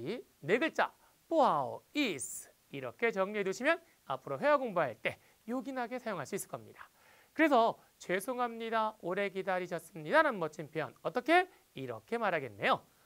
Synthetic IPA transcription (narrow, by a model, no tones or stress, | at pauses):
i | ne̞ɡɯɭt͡ɕ͈a̰ | p͈oɦaois | iɾʌkʰe̞t͡ɕʌŋɲɦe̞duɕʰimjʌn | a̰pʰɯɾoɦe̞aɡoŋbaɦaɭt͈e̞ | joɡinɦaɡe̞sʰajoŋɦaɭs͈uis͈ɯɭk͈ʌmɲid̥ḁ | kɯɾe̞sʰʌ | t͡ɕwe̞sʰoŋɦamɲidaoɾe̞k̬idaɾiɕʰʌs͈ɯmɲidananmʌt͡ɕ͈ʰinpʌ̰nʌt͈ʌkʰe̞ | iɾʌkʰe̞maɾɦaɡe̞nːe̞jo